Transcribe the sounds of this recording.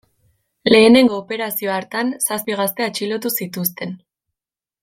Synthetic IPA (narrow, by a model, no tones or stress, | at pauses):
le̞ːne̞ŋɡo̞ːpe̞ɾasio̞aɾt̪ansaspiɣ̞ast̪e̞at͡ʃilo̞t̪̬usit̪ust̪e̞n